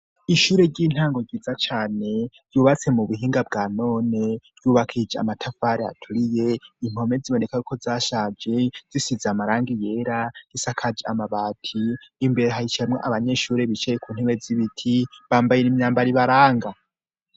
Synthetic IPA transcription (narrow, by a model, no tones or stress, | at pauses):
iʃuːɾe̞ɾɟiːn̥haːŋɡo̞ɟid͡zat͡ʃaːne̞̥ | juβat͡se̞muβuɦiːŋɡabɡaːno̞ːnev̥juβakʰid͡ʒea̰matʰafaːɾea̰tʰuɾije̞im̥o̞me̞d͡ziβo̞ne̞kajukʰo̞zaʃad͡ʒe̞d͡zisizamaɾaːŋɡijeɾaɡ̥isakʰad͡ʒiamaβaːtʰiːmbe̞ɾeɦahit͡ʃemŋo̰ʔaβaɲe̞ʃuːɾe̞βit͡ʃejekʰuːn̥eβeziβitʰiβaːmbajenimɲaːmbaɾiβaɾaːŋɡa